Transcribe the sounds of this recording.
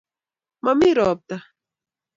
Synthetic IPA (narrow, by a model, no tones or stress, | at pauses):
mamiɾoːp̚t̪a